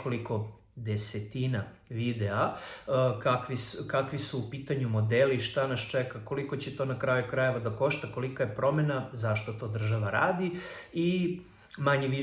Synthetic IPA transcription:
koliko̞ | d̪eset̪inaʋid̪ea | kakʋiskakʋisuːpiːt̪aɲumo̞d̪eliʃt̪anast͡ʃekako̞likot͡ɕet̪o̞nakɾajukɾaje̞ʋad̪ako̞ʃt̪ako̞likajepɾo̞me̞nazaʃt̪ot̪o̞ːd̪r̩ʒaʋaɾa̰ːd̪ii | maɲiʋi

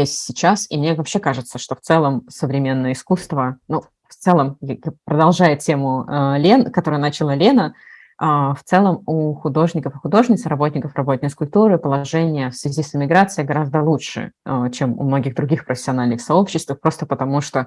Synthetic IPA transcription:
esʲtʲsʲɪt͡ɕasḭmnʲevɐpɕːe̞kaʐɨt̪səʂt̪o̞ft̪sɛlˠəmsəvɾʲɪmʲe̞nːəjəɪskust̪vənu | ft̪sɛlˠəmjapɾəd̪ɐlˠʐajʊtʲe̞mʊəlʲe̞nkɐt̪o̞ɾɨjənat͡ɕɪlˠəlʲe̞nə | aft̪sɛlˠəmuxʊd̪o̞ʐnʲɪkəfɨxʊd̪o̞ʐnʲɪt̪sɾɐbo̞tʲnʲɪkəfrɐbot̪̚ʲnəjskʊlʲt̪uɾɨpəlˠɐʐɛnʲɪjəfsvʲɪzʲisɪmʲɪɡɾat̪sɨɪɡɐɾazd̪əlˠuʂɨ̰t͡ɕe̞mʊ̰mno̞ɡʲɪɣd̪ɾʊɡʲixpɾəfʲɪ̥sʲɪɐnalʲnɨxsɐo̞pɕːɪst̪vəfpɾo̞st̪əpət̪ɐmuʂt̪o̞

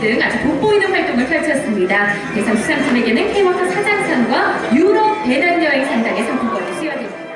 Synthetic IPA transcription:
dɯŋad͡ʑupop͈oinɯnɸwaɭt͈oŋɯɭpʰaɭt͡ɕʰʌs͈ɯmɲidakɯɾe̞sʰʌŋis͈ʰaŋt͡ɕʰʌne̞ɡenɯnkʰeimʌtʰʌsʰad͡ʑaŋsʰʌnɡwajuɾʌp̚t͈e̞nanːʌesʰaŋdaŋe̞sʰʌŋpʰuɡ͈ʌniɕʰijʌdwe

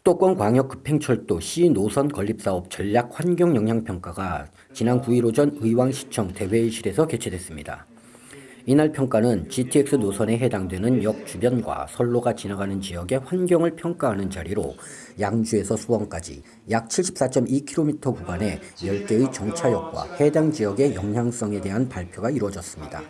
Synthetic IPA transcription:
t͈ok͈wʌnkwaŋjʌk͈ːɯ̥pʰe̞ŋt͡ɕʰʌɭt͈oɕʰinosʰʌnkʌʎːip̚s͈aʌp̚t͡ɕʌʎːak̚ɸwanɡjʌŋjʌŋɦjaŋpʰjʌŋk͈aɡa | t͡ɕinankuiɾod͡ʑʌnɯiwaŋɕʰi̥t͡ɕʰʌŋte̞we̞iɕʰiɾe̞sʰʌke̞t͡ɕʰe̞dwe̞s͈ɯmɲida̰ | inaɭpʰjʌŋk͈anɯnt͡ɕitʰiek̚s͈ɯnosʰʌne̞ɦedaŋdwe̞nɯnjʌk̚t͡ɕubjʌnɡwa̰sʰʌɭːoɡat͡ɕinaɡanɯnt͡ɕijʌɡe̞ɸwanɡjʌŋɯɭpʰjʌŋk͈aɦanɯnt͡ɕaɾiɾo̰ | jaŋd͡ʑue̞sʰʌsʰuwʌnk͈ad͡ʑḭ | jak̚t͡ɕʰiɭɕ͈ʰi̥p̚s͈at͡ɕ͈ʌmikʰiɾomitʰʌkubane̞ | jʌɭk͈e̞ɯt͡ɕʌŋt͡ɕʰajʌk̚k͈wa̰he̞daŋd͡ʑijʌɡe̞jʌŋjaŋs͈ʌŋe̞de̞ɦanpaɭpʰjoɡaiɾwʌd͡ʑʌs͈ɯmɲida̰

